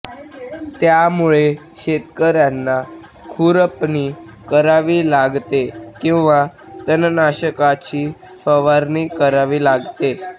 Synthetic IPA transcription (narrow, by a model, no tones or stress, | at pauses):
t̪jamuɭe | ɕet̪kəɾjanːa | kʰuɾəpniː | kəɾaʋiːlaɡt̪ekĩw̃ʋa | t̪ənnaɕəkat͡ɕiː | fəʋaɾniːkəɾaʋiːlaɡt̪e